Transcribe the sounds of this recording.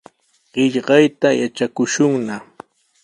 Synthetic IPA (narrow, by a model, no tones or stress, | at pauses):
ɢɪʎɢɑjt̪ajat͡ʃakʊʃʊŋna